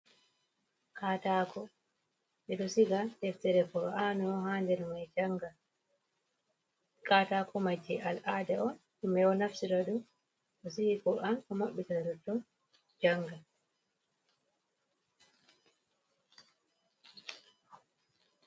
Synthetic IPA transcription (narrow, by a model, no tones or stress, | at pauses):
kʰaːtaːkɔ | ɓɛɗɔsiɡatɛftɛɾɛkɔɾɔanɔhaːndɛɾmajd͡ʒaŋɡa | kaːtakʰɔmad͡ʒːiʔalʔaːdɛɔnɗumɛjɔnafsiɾaɗum | ɗɔsihikɔʔankɔmaɓːitaɾɔtɔ | d͡ʒaŋɡa